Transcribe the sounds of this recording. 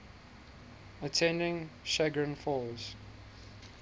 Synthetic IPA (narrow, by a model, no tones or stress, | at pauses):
ətʰɛ̃ndɪ̃ŋʃæɡɹə̃nfɔːz̥